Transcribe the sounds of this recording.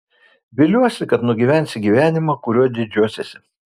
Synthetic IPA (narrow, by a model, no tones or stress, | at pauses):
bʲɪlʲuɔsʲɪkɐt̪nʊɡʲiːʋʲæˑnʲsʲɪɡʲiːʋʲæːnʲɪmɑːkʊɾʲuɔd̪ʲɪd͡ʒʲuɔsʲesʲɪ